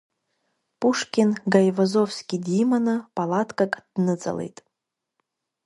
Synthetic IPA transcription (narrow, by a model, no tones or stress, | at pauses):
puʂkʲinɡajvazofskʲidimanɨpʼalatʰkʼakʼd̥nɨt͡sʼa̰lḛjtʼ